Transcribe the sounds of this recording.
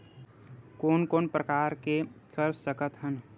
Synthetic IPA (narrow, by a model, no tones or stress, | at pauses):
koːnkoːnpɾəkaːɾkekʰəɾssəkət̪ɦən